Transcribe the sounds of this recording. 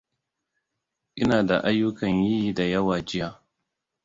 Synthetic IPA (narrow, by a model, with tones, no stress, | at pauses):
ʔɪ˦naː˨da˨ʔa˦jːʊ˦kɐ˨ɲji˦ji˦da˨jɐ˦waː˨d͡ʒɪ˦jaː˦